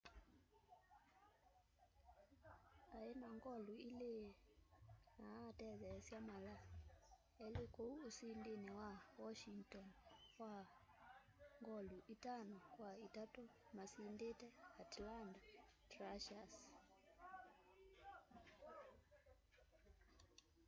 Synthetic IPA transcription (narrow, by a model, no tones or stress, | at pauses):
aɛnaŋɡɔluile | natɛðɛsjamala | ɛlekouːsindenewawɔʃiŋtɔnkwa | ŋɡɔluʔitanɔkwaitatomasindetɛatlandatɾaʃas